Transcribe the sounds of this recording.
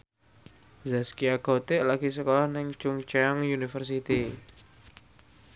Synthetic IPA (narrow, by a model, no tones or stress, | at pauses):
zaskiaɡ̥ot̪ɪʔlaɡis̬əkolɔhnɪŋt͡ʃuŋt͡ʃaŋjunifərs̬it̪i